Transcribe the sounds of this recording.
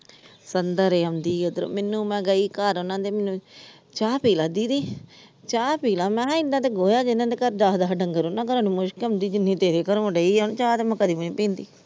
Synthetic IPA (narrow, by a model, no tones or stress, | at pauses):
sənd̪əɾeːənd̪iːod̪ɾo̰ːmɪnːũːmɛ̃ːɡəiːkaɾonãːd̪eːmenːũː | t͡ʃaːpiːlãːd̪iːd̪iː | t͡ʃaːpiːlãːmɛ̃ːɪnd̪ãːt̪eːɡoːjaːd͡ʒɪnːãːd̪eːkəɾd̪aːɦd̪aːɖəŋɡəɾonãːkəɾõːnĩːmʊʃkənd̪iːd͡ʒɪnːĩːt̪eːɾeːkəɾõːɖəiːnːt͡ʃaːt̪eːmɛ̃kəd̪iːməniːpĩːnd̪iː